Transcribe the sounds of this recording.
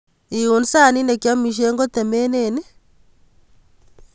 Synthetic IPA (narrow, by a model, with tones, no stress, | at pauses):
i˨u˨nsa˦˨ni˦ne˨kja˦mi˨ʃ̬e˦ŋɡo˦tɛ˨mɛ˦ne˨ne˦